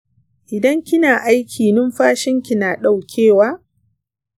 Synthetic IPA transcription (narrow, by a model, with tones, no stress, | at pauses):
ʔɪ˨dɐ˦ŋkʲɪ˦naː˨ʔa˦jkʲʰiː˨nʊ˦mɸaː˦ʃɪ˦ŋkʲɪ˨naː˨ɗa˨wkʲʰeː˦˨waː˦